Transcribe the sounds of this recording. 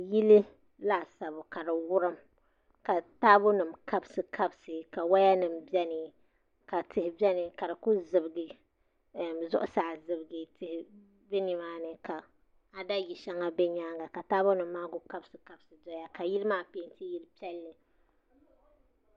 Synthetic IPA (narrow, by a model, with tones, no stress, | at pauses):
ji˦li˦ | la˦˨sa˨bʊ˨ka˨dɨ˨wʊ˦ɾɨ˦m | ka˨taː˦bʊ˦nɨ˨mka˦bsɨ˨kʰa˦bsɨ˨ka˨wa˦ja˦nɨ˨mbɛ˦nɨ˨ | ka˨tɪ˨hɪ˨bɛ˦nɨ˨ka˨ɾɨ˨kʊ˦zɨ˨bɨ˨ɡɨ˨ | mzʊ̰˦ʔʊ˦saː˨zɨ˨bɨ˨ɡɨ˨tɪ˨hɪ˨ | bɛ˦ni˨maː˦nɨ˨ka˨ | a˨da˦ji˨ʃa˦ŋa˦bɛ˦ɲaː˦ŋɡa˨ka˨taː˦bʊ˦nɨ˨m̩ːaː˦ɡʊ˦ka˦bsɨ˨ka˦bsɨ˨dɔ˦ja˦ka˨ji˦lɨ˦maː˦peː˦n˦tɨ˦ji˦lpi˦ɛ˦lːɨ˨